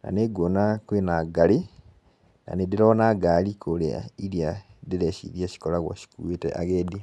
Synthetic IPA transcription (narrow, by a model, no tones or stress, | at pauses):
na̰neɡwonakwenaɡali | na̰nediɾonaɡalikʰolea̰iɾja | diɾeʃḭðjaɕi̥kolaɣo̰ɕi̥kṵetḛʔaɣedi